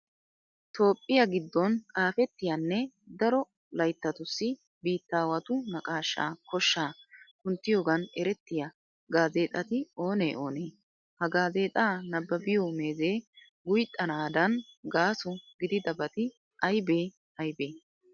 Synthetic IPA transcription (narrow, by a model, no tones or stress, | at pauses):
t̪ʰo̞ːpʼːɪjɐɡɪd̪ːɔnkʼaːfɛt̪ːɪjɐnːɛ | d̪ɐɾɔ | lɐjt̪ːɐt̪ʊsːɪ | biːt̪ːaːwɐt̪ʊnɐkʼaːʃːa̰ːkɔʃːaːkʊnt̪ːɪjoːɡɐnɛɾɛt̪ːɪjɐ | ɡaːze̞ːt̪ʼɐt̪ɪo̞ːnḛːʔo̞ːneː | hɐɡaːze̞ːt̪ʼaːnɐbːɐbɪjɔme̞ːzeː | ɡʊjt̪ʼːɐnaːd̪ɐnɡaːsʊɡɪd̪ɪd̪ɐbɐt̪ɪ | ʔɐjbe̞ː | ɐjbeː